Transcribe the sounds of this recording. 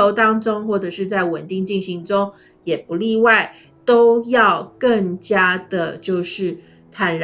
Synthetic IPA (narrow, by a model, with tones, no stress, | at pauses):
o˧˥ʊt̪ɑ˥ŋʈ͡ʂʊ˥ŋxwɔ˥˩ʈ͡ʂɤ˨˩ʂɻ̩˥˧t͡sa˥˩ɪwə˨˩nt̪i˥˧ŋt͡ɕi˥˩ŋɕi˧˥ŋʈ͡ʂʊ˥ŋ | jɛ˨˩pu˧˦li˥˧wa˥˩ɪ | t̪o˥ʊjɑ˥˧ʊkə˥˩ŋt͡ɕja˥d̪̥ə˨t͡ɕjo˥˧ʊʂɻ̩˥˩ | t̪ʰa˨˥nɻ